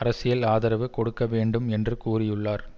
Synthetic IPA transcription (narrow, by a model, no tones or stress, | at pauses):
ɐɾɐsɪjɐlaːðɐɾɐʋɯkɔɽɯkːɐʋeːɳɖɯmɛndrɯkuːrɪjɯɭːaːɾ